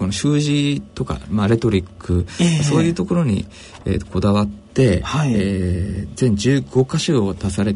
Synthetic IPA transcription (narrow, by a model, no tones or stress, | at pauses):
ko̞no̞ɕɨːʑit̪o̞ka̰maɾe̞t̪o̞ɾʲikːɯ̟aso̞ːjɯ̟ːt̪o̞ko̞ɾo̞ɲ̟ḭ | ḛkʰo̞d̪aβat̪ːe̞hazẽ̞ɲ̟d͡ʑɨːɡo̞kaɕɨot̪asaɾe̞